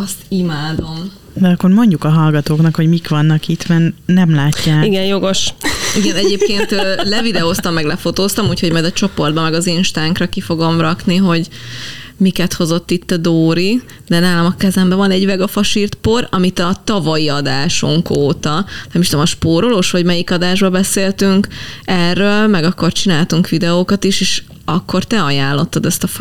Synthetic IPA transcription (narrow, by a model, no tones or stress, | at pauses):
ɒst̪imaːd̪o̞m | d̪ɛɒkːo̞rmo̞ɲɟukɒɦɒlɡɒt̪oːknɒkho̞ɟmikʋɒnːɒkit̪mɛrnɛmlaːcːaːiɡɛnjo̞ɡo̞ʃiɡɛnɛdɟeːp̚keːnt̪lɛvid̪ɛost̪ɒmːɛɡlɛfo̞t̪oːst̪ɒmuːcho̞ɟmɒjd̪ɒt͡ʃo̞po̞rd̪bɒmɛɡɒzeːnʃt̪aːŋkrɒkifo̞ɡo̞mrɒkniɦo̞ɟ | mikɛt̪ho̞zo̞t̪ːit̪ːɒd̪oːɾi | d̪ɛnaːlɒmɒkɛzɛmbɛvɒnɛɟvɛɡɒfɒʃiːrt̪porɒmit̪ɒt̪ɒvɒjiɒd̪aːʃoŋkoːt̪ɒnɛmiʃt̪omɒʃpoːɾo̞loːʃʋɒɟmɛjikɒd̪aːʒbɒbɛseːlt̪yŋkɛrːølmɛɡɒkːort͡ʃinaːlt̪uŋkʋid̪ɛoːkɒt̪iʃeːʃ | ɒkːo̞rt̪ɛɒjaːlːo̞t̪ːɒd̪ɛst̪ɒ